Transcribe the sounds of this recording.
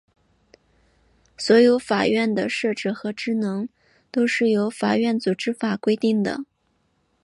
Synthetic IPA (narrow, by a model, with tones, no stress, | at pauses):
swɔ˧˥jo˧˥ʊfa˨˩ɥɛ˥˩nd̪ə˩ʂɤ˥˧ʈ͡ʂɻ̩˥˩xɤ˧˥ʈ͡ʂɻ̩˥nɤ˧˥ŋ | t̪o˥ʊʂɻ̩˥˩jo˧˥ʊfa˨˩ɥɛ˥˩nt͡su˨˩ʈ͡ʂɻ̩˥fa˨˩kwe˥ɪt̪i˥˩ŋd̪ə̰˩